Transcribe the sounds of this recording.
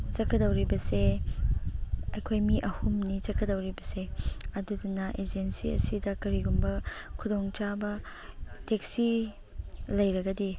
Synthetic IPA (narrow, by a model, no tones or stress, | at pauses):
t͡ʃɐkːɐdɐwɾibɐse | ɐjkʰojmiʔɐhumnit͡ʃɐkʰːɐdɐwɾibɐseɐdudunɐʔed͡ʒensḭɐ̰sidɐkɐɾiɡumbɐkʰudoŋt͡ʃabɐ | tek̚si | lɐjɾɐɡɐdi